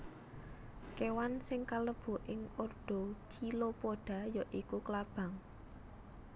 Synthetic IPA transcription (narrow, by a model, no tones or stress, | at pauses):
kewansɪŋkaləb̥o̤ʔɪŋorɖ̥ɔ̤t͡ʃilopoɖ̥a̤jɔʔikuklab̥ä̤ŋ